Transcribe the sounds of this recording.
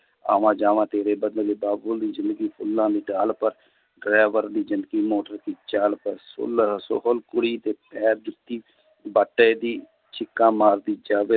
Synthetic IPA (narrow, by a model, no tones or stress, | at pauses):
a̰ːʋãːd͡ʒaːʋãːt̪eːɾeːbəd̪əleːbaːbʊld̪iːzɪnd̪əɡiːpʰʊlːãːd̪iːɖaːlpəɾ | ɖɾaːʋəɾd̪iːzɪ̃nd̪əɡiːmoːʈəɾkiːt͡ʃaːlpəɾsʊ̰lso̰ɦəlkʊɽiːt̪eːpɛːɾd͡ʒɪt̪ːiː | bəʈːeːd̪iː | t͡ʃʰɪkːãːmaːɾd̪iːd͡ʒaːʋeː